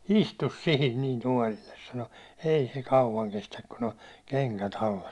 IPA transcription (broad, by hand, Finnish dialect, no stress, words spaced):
istus sihin nin tuɒlilːes sɑno ei se kɑuwɑŋ kestæk kun on keŋkæt ɑlːɑ